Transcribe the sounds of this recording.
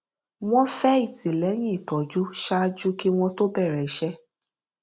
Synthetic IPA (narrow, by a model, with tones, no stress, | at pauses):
w̃ɔ̃˦fɛ˦i˦˨ti˨lɛ˨˦j̃ĩ˦i˨tɔ˨d͡ʒu˦ʃa˦d͡ʒu˦ki˦w̃ɔ̃˧to˦bɛ˦˨ɾɛ˨˦ʃɛ˦